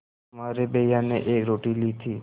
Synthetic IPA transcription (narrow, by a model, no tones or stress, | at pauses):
maːɾebejanḛʔeːkɾoːʈilit̪ʰiː